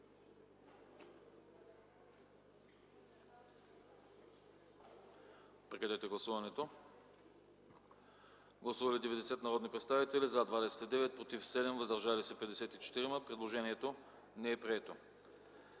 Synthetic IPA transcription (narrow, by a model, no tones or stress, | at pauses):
pɾɛkɛd̪ɛt̪ɛɡlˠɐsuvɐnɛt̪o | ɡlˠɐsuvɐlid̪ɛvɛd̪ɛsɛt̪nɐɾɔd̪nipɾɛt̪st̪avit̪ɛlizad̪vad̪ɛsɛ̥t̪id̪ɛvɛt̪̚pɾot̪ifsɛd̪ɛmvəzd̪ɐɾʒalisɛpɛd̪ɛsɛt̪it͡ʃɛ̥t̪iɾiməpɾɛd̪lˠoʒɛniɛt̪o | nɛɛpɾiɛt̪o